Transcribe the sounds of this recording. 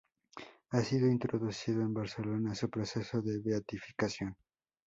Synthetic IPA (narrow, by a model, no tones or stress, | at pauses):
asiðo̞int̪ɾoðusiðoembaɾselo̞nasupɾo̞seso̞ðe̞βeat̪ifi̥kasjo̞n